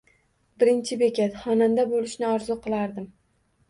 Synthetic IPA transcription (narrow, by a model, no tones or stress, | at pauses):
bɪɾɪnt͡ʃʰɪbekʲat̪χɒnand̪abolˠɪʃnɪɒɾzʊqʰɨlˠaɾd̪ɪm